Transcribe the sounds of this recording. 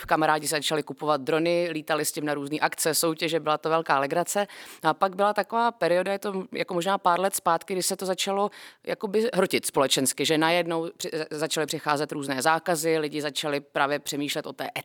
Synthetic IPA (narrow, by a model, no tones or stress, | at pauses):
fkamaɾaːɟɪs̬zat͡ʃalɪkupo̞vad̪̚d̪ɾo̞nɪliːt̪alɪscɪmnaɾuːzniːʔakt͡sɛso̞wcɛʒɛbɪlat̪ovɛlkaːlɛɡɾat͡sɛapaɡbɪlat̪akovaːpɛɾɪo̞dajɛt̪oja̰komoʒnaːpaːɾlɛt̪spaːt̪kɪɡdɪʃsɛt̪o̞zat͡ʃalo̞ja̰ko̞bɪɦɾocɪt̪spo̞lɛt͡ʃɛnskɪʒɛnajɛdno̞wprɪzat͡ʃalɪpr̥ɪxaːzɛt̪ɾuːznɛːzaːkazɪlɪɟɪzat͡ʃalɪpɾaːvjɛpr̝̥ɛmiːʃlɛt̪ʔo̞t̪ɛ̰ːʔɛ